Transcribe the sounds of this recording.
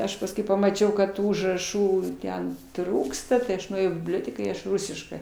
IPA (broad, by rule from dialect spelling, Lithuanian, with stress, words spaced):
ˈɐʃ pɐsˈkʊɪ pɐmɐˈt͡ʃʲɛʊ kɐt ˈtuː ʊʒrɐˈʃuː ˈtʲɛn ˈtruːkstɐ tɐɪ ˈɐʃ nʊeːˈjɛʊ iː bʲɪbʲˈlʲoːtʲɛkɑː ɪ ˈɐʃ ˈrʊsʲɪʃkɜ